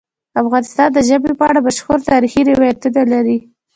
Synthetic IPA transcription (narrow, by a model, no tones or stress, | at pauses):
afɣɑnɪst̪ɑnd̪əʒəbepəaɽabaʃxoɾt̪ɑɾixiɾɪwɑjat̪unalaɾi